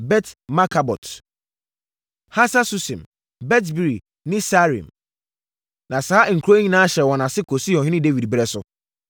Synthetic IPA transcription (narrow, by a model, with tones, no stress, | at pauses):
bɛ˦tma˦kʰa˨bɔ̰˨t | ha˦sa˦su˦sĩ˨m | bɛ˦t̬bi˨ɾi˨ | nɪ̃˦sa˦ɾḭ̃˨m | nã˨saː˦ŋ̩˨kʰɾo˦ɲĩ˦nã˦ɕɛ˨wɔ̃˨nã˨sɪ˦kʰo˨si˦ɔ̃˨ɦɪ̃˦nɪ̃˦de˦vi˨dbɾɛ˦sʊ˨